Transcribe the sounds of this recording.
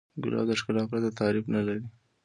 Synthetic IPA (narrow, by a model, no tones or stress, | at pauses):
ɡʊ̰lɑ̰d̪əʂkɪlɑpɾat̪at̪ɑɾɪfnalaɾi